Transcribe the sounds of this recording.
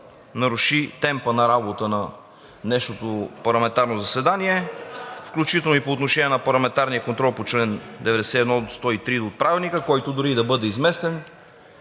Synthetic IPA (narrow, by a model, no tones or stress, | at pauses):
nɐɾuʃit̪ɛmpənɐɾabot̪ənɐ | nɛʃnot̪opɐɾlˠɐmɛnt̪aɾnozɐsɛd̪aniɛfklʲut͡ʃit̪ɛlˠnoipoːt̪noʃɛniɛnɐpɐɾlˠɐmɛnt̪aɾnijəkont̪ɾɔlˠpot͡ʃlɛnd̪ɛvɛd̪ɛsɛiɛd̪nɔst̪ɔit̪ɾid̪oːt̪̚pɾavɛlˠnikəkɔjt̪od̪ʊɾid̪ɐbɤd̪ɛizmɛst̪ɛn